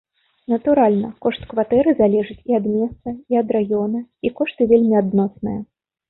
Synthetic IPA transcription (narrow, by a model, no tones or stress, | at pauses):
nɐt̪uɾalʲnɐkɔʂt̪kvat̪ɛɾɨzalʲɛʐɨt͡sʲiɐd̪mʲɛst̪sɐiɐd̪ɾajɔnɐikɔʂt̪ɨvʲelʲmʲiad̪nɔsnɨjɐ